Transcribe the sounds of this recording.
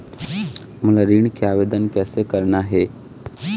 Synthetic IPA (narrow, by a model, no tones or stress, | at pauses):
məlaɾiɳkeaʋed̪ənkɛːsekəɾnaɦe